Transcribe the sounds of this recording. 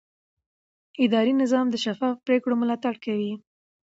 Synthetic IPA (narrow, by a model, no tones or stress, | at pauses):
ɪd̪ɑɾinɪzɑmd̪əʃafɑfpɾekɽomʊlɑt̪aɽkawi